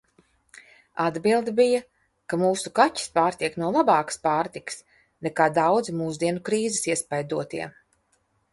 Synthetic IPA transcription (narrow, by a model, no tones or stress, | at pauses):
ad̪bilˠd̪ibijɐ | kamuːsukaci̥spaːɾt̪iɛknuɔlˠabaːkə̥spaːɾt̪ikɨ̥s | nɛkaːd̪awd̪zmuːzd̪iɛnukɾiːzɪsiɛspajd̪uɔt̪iɛ